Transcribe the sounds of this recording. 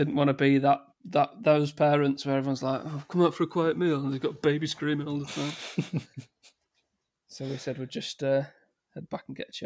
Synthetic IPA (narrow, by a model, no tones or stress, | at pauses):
d̥ɪdⁿn̩ʔwɒ̃nəbiðəʔ | ðəʔðoʊz̥pʰɛːɹə̃ntswə˞ɛvɪwɒ̃nzlaɪkoɪv̥kʰʊ̃maʊtfəɹəkʰw̥aɪəʔmiːlˠə̃nðeɪɡɒtəbeɪbiskɹĩmɪ̃ŋoʊlˠðətʰãɪ̃m | soʊwisɛd̚wilˠd͡ʒʌstʌ | hɛd̚bakə̃n̩ɡɛ̰ʔt͡ʃʰ